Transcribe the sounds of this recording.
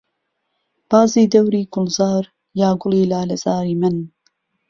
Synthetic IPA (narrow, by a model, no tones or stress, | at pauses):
b̥aːziːd̪ɐwɾiːɡʊlzaːɾ | jaːɡʊliːlaːlɐz̥aːɾiːmɨn